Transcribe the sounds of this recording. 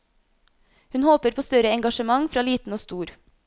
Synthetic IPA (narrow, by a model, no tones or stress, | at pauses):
hʉnhoːpəɾpʰoːst̪œɾəɛŋɡɑʃəmɑŋfɾɑːliːt̪n̩oːst̪uːɾ